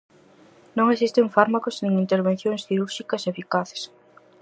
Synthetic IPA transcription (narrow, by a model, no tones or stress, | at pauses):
nõŋesist̪eɱfaɾmakoznĩŋint̪eɾβẽn̟θjõŋsθiɾuɾʃikɐsefikaθe̥s